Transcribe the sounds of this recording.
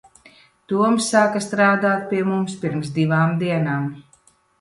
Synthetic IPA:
t̪uɔmsːaːkast̪ɾaːd̪aːt̪̚ʲpiɛmumspiɾmsd̪iʋaːmd̪iɛnaːm

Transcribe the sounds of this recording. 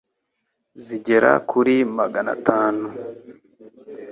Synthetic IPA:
ziɟe̞ɾa̰kʰuɾimaɡana̰taːnu

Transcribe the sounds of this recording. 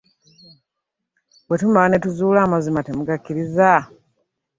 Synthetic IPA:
wwe̞tumalnetuzuːlaːmazimate̞muɡakːiɾiza

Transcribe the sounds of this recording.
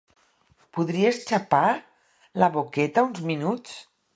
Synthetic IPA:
puðɾiest͡ʃapa | ləβokɛt̪aunzminut͡s

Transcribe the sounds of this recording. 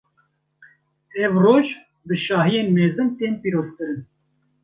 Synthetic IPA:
ɛvroːʒ | bɨʃɑːɦijeːnmɛːzɨnt̪eːnpiːɾoːzkɨɾɨn

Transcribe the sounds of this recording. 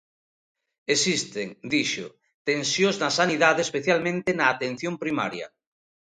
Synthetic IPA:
esist̪eŋd̪iʃo̰ | t̪ẽnsjoznasaniðaðespeθjalmẽnt̪enaːt̪ẽn̟θjõmpɾima̰ɾjɐ̰

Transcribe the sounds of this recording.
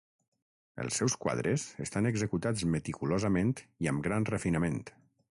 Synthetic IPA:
ə̰lˠsːɛwskwa̰ð̞ɾəzəst̪anəɡzəkut̪ad͡zmət̪ikulozəmẽnt̪iəmɡɾanrəfinəment̪

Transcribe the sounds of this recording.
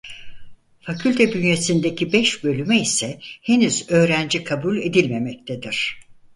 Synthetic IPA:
facʰylʲt̪ʰɛbynje̞sind̪ecʰibɛʃbø̞lʲymɛisɛhe̞nyzø̞ːɾænd͡ʒikʰabulʲe̞d̪ilʲme̞mɛc̚t̪ʰed̪iɾ̥

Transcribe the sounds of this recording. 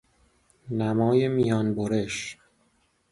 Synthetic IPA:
næmɒːjemijɒːnboɾe̞ʃ

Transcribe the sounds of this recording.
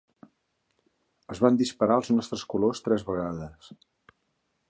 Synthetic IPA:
əzβand̪ispəɾaəlˠznɔst̪ɾəskulost̪ɾɛzβəɣaðəs

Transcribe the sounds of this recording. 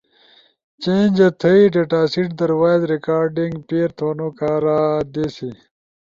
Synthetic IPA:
t͡ɕẽːnʲd͡ʑɐt̪ʰəiɖeʈaːsiʈd̪ɐɾwaːzɾikaːɾɖiŋɡpeːɾt̪ʰoːnokaːɾad̪esi

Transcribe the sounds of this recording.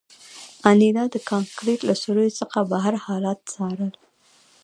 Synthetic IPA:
anid̪ɑd̪əkɑŋkɾeʈlasoɾəjot͡səxabaɦaɾhɑlat̪̚t͡sɑɾəl

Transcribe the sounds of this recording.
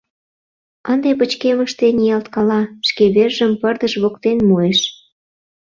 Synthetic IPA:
ənd̪epət͡ɕkeməʃt̪enijɑlt̪kɑlɑʃkeβerʒəmpərd̪əʃβokt̪enmueʃ

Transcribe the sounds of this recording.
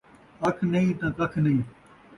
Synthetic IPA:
ɐkʰnɐĩːt̪ãːkɐkʰnɐɦĩː

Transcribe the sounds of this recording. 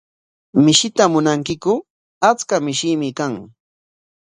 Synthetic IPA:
mɪʃɪt̪amʊnaŋkɪkʊ | at͡skamɪʃɪmɪkaŋ

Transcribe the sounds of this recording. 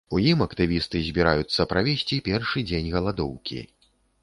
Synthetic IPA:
ujimɐkt̪ɨvʲist̪ɨzʲbʲiɾajut̪sːɐpɾavʲesʲt͡sʲipʲɛrʂɨd͡zʲenʲɣɐlˠad̪ɔwkʲḭ

